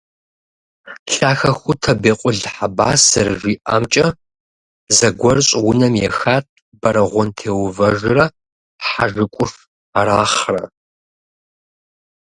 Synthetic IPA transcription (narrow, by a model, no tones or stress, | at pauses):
ɬaːxɐxʷʊtʰɐbeːqʷʼʊɮħabaːsɐrʐiːʔa̰ːmt͡ʃʼɐ | zɐɡʷɔrɕʼwʊnɐmjɛ̰xaːt̚ʰʼ | bɐɾɐʁʷɔntʰeːwvɐʐrɐ | ħaʐɨkʷʼʊf | aɾaːχrɐ